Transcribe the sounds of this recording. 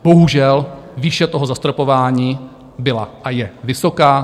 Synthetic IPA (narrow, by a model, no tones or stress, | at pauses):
b̥o̞ɦuʒɛlviːʃɛt̪o̞ɦo̞zast̪ɾopo̞vaːɲiː | bɪlaʔajɛvɪso̞kaː